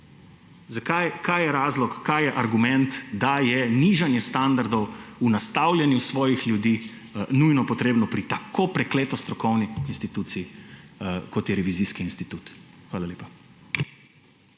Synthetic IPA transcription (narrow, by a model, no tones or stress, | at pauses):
zakajkajjɛɾaːzlɔkːajɛʔaɾɡumɛnt̪d̪ajɛniʒanjɛst̪and̪aɾd̪ɔwunast̪awlʲjɛnjusʋɔːjixljud̪iː | nujnɔpɔt̪ɾeːbnɔpɾit̪akʰopɾɛkleːt̪ɔst̪ɾɔkɔwniinst̪it̪ut̪sii | kɔt̪jɛɾɛʋiziːskiːnst̪it̪uːt̪xʋaːlaleːpa